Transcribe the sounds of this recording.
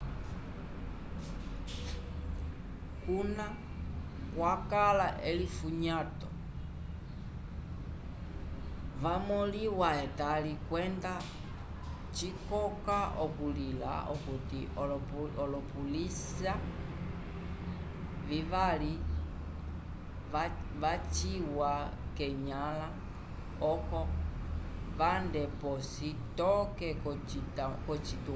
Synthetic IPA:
kuna | kwakalaʔelifuɲatɔ | vamɔliwaɛtalikwɛnda | t͡ʃikɔkaʔɔkulila̰ʔɔ̰kuti | ɔlɔpulisa | vivali | a | vat͡ʃiwakɛɲala | ɔkɔ | vandɛpɔsitɔkɛkɔ | itakɔt͡ʃitu

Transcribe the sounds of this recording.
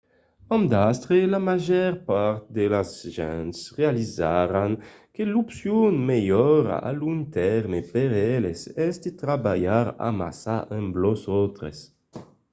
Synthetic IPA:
ãmd̪ast̪ɾelamaʒɛɾpaɾt̪d̪elazʒɛ̃nt̪srealizaɾaŋ | kelupsjunmejɔɾa̰a̰luŋt̪ɛɾmepeɾɛlesɛsd̪it̪ɾabajaɾa̰ma̰saʔɛmblosɔt̪ɾḛs

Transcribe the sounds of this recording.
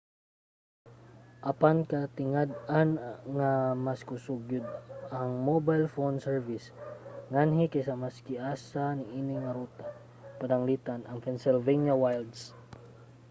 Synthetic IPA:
ʔapankat̪ɪŋad̪̚anŋamaskʊsuɡʊd̪̚aŋmobajlfonsɛɹvɪsŋanɦɪkajsamaskɪʔaːsanɪinɪŋaɾut̪a | pad̪aŋlit̪anaŋpɛnsɛlvɛnjawajld̪s

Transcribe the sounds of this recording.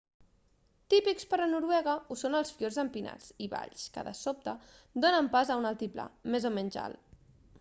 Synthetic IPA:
t̪ipikspəɾənuɾwɛɣəusonəlˠsfiorzəmpina̰t͡siβa̰ʎskə̰ðə̰sop̚t̪ə | d̪onəmpazəunalˠt̪ipla̰mezomɛnʲʒa̰l

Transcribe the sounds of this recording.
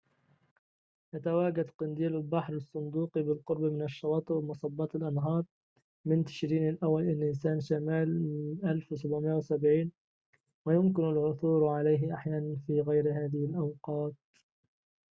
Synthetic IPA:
jat̪awaːɡad̪qɪnd̪iːlɪlbaħɾɑsˤːʊnd̪uːqibɪlqʊɾbamɪnaʃːɑwɑːt̪ˤɨwmʊsˤɑbːɑːt̪ɪlʔɑnɦɑːɾˤ | mɪnt̪ɪ̥ʃɾiːnɪlʔawːalʔɪnʔɪnsaːnʃamaːlmɪnʔalfwɪsabʕmɪjːawsabʕiːn | wɪjʊmkɪnalʕʊθuːɾʕalajɦɪʔaħjaːnanfiːɣajɾɦaːðɪhɪlʔɑwqɑːt̪̚

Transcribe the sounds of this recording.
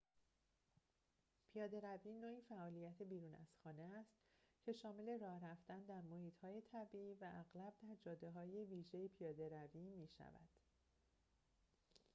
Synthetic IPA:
pʰijɒːd̪e̞ɾæviːnoːiːfæʔɒːlijæt̪ʰebiːɾuːnæ̰z̥xɒːne̞æst̪cʰe̞ʃɒːme̞le̞ɾɒːhɾæft̪ænd̪æɾmohiːt̪hɒːje̞t̪ʰæbiiːvæʔæɣlæb̚d̪æɾd͡ʒɒːd̪e̞ɦɒːje̞viːʒejepʰijɒːd̪e̞ɾæviːmiːʃæ̰væ̰d̪̥

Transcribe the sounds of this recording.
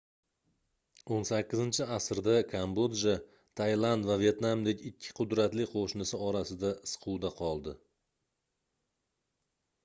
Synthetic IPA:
onsakʲːɪzɪnt͡ʃʰɪasɾd̪akʰambod̪ʒa | t̪ʰajlˠand̪vavje̞t̪namd̪e̞kʲɪkʲʰːɪ̥qʰʊd̪ɾat̪lɪqʰoʃnɪsɪɒɾasɪd̪aɪsqʰʊd̪aqʰɒlˠd̪ɪ

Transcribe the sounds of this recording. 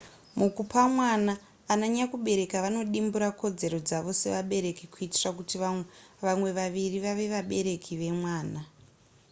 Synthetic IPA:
mukupamwanaː | naɲakuɓe̞ɾe̞kaʋano̞ɗimbuɾako̞d͡ze̞ɾod͡zaʋo̞se̞ʋaɓe̞ɾe̞kikuiti̥rakutiʋamwe̞ʋaʋiriʋaʋe̞ʋaɓe̞ɾe̞kʰiʋe̞mwaːna

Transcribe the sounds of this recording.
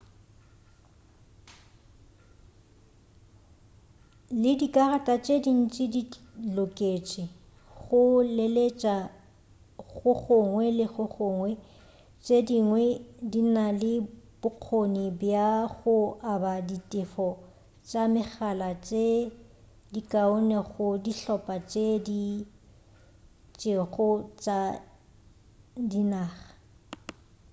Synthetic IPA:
lɪdikʼaratʼat͡ʃʼedin̩t͡ʃʼɪdilokʼet͡ʃʼɪ | ɣʊlelet͡ʃʼa | ɣʊɣʊŋwɛlɪɣʊɣʊŋwɛ | t͡ʃʼediŋwɛdinalɪb̥ʊq͡χʰonibjaɣʊʔabaditʼɪfɔ | t͡ʃʼamɪɣalat͡ʃʼe | dikʼaʊnɛɣʊdiɬɔpʼat͡ʃʼedi | t͡ʃʼeɣʊt͡ʃʼa | dinaːχḁ

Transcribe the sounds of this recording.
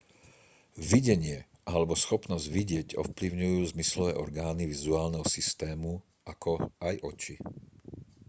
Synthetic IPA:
ʋiɟɛɲɪɛ | ʔalɛbɔsxɔpnɔzɟʋiɟɪɛɟɔ̰fpliʊɲujuːzmislɔʋɛːʔɔɾɡaːniʋizuaːlnɛɦɔsist̪ɛːmu | ʔakʰɔajʔɔt͡ʃi

